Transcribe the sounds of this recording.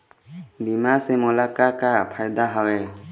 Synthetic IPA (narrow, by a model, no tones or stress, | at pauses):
bimasɛmɔlakakapʰajd̪aɦɔwɛ